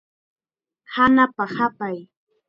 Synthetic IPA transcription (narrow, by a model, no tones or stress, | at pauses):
hanapahapaj